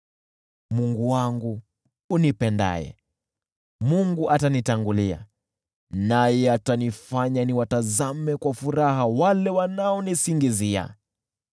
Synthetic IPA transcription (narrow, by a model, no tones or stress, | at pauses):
muŋɡuwaŋɡu | unipɛnda̰jɛ̰ | muŋɡuʔatanitaŋɡulia̰ | najɛatanifaɲaniwatazamɛkwafuɾaɦawalɛwanaɔnisiŋɡizia̰